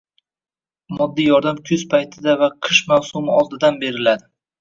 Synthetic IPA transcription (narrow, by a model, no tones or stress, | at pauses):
mɒd̪ːijɒɾd̪amkʲʰʊz̥pʰajt̪ʰɪd̪avaqʰɨʃmawsʊmɪɒlˠd̪ɪd̪anbe̞ɾɪlad̪ɪ